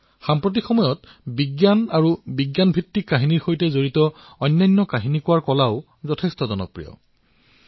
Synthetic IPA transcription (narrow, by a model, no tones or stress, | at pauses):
xampɹot̬ixɔmɔjɔt | biɡjanaɹubiɡjanbʱitːikːaɦiniɹxojtɛzoɹitɔ | ɔjnːajnːɔkaɦinikuwaɹkɔlaʊ | zɔtʰɛstɔzɔnɔ̰pɹijɔ̰